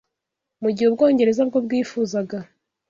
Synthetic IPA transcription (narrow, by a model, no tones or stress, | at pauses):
muɟihub̚ɡo̞ːɲɟe̞ɾe̞zab̚ɡo̞bɡiːfuːzaɡa